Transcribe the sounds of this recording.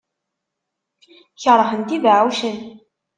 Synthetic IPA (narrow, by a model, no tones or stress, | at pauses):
çəɾˤːəħənt̪ivaʕəwʃən